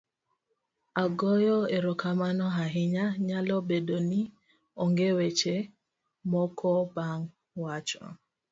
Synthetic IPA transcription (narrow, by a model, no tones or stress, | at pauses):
aɡɔjɔeɾɔkamanɔɦaɦɪɲaɲalɔbedoni | ɔŋɡewet͡ʃe | mɔkʰɔbaŋ | wat͡ʃɔ̰